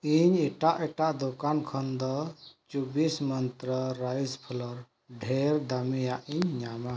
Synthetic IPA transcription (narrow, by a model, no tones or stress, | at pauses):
iɲeʈaʔɛʈaʔd̪ɔkankʰɔnd̪ɔt͡ʃubismənt̪ɾəɾajd͡ʒpʰulɔɾ | ɖʱeɾd̪amijaʔiɲːama